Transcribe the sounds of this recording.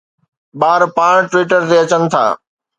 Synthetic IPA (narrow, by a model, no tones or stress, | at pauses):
ɓaːɾpaːɽ̃ʈʋiːʈəɾt̪eɐt͡ɕənɪ̆t̪ʰa̰ː